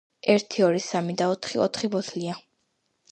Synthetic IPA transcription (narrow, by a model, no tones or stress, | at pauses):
ɛɾt̪ʰiɔɾisamid̪aɔt̪ʰχiɔ̰t̪ʰχibɔt̪ʰlia